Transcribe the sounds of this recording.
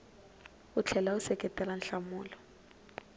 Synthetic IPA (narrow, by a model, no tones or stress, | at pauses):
ut͡ɬʰɛlausɛkʼɛtʼɛlanɬamuːlɔ